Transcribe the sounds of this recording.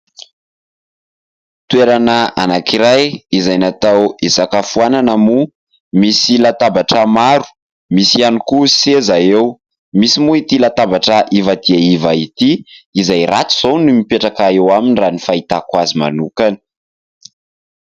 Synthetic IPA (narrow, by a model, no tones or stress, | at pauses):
t̪ueɾanəa̰nakiɾajizajnat̪awesakafuananamu | misilat̪abaʈ͡ʂəmaɾu̥ | misianikusezaew | misimuit̪ilat̪abaʈ͡ʂaʔivad̪iaivait̪iːzajrat͡su̥z̥ownumipeʈ͡ʂakaewaminiranifait̪akwazima̰nukani̥